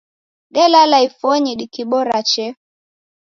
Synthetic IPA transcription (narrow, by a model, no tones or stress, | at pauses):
ɡɛlalaifɔɲiɗikiɓɔɾat͡ʃɛ